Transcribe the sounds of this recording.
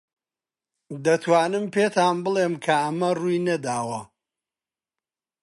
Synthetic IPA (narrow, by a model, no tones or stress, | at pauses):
d̪ɐt̪ʰwaːnɨmpʰeːt̪ʰaːnbɨlˠeːmkʰɐɐmɐrujnɐd̪aːwɐ